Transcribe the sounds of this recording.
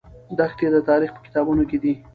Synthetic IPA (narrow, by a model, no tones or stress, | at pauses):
d̪axt̪ed̪ət̪ɑɾixpə̥kɪ̥t̪ɑbunoked̪i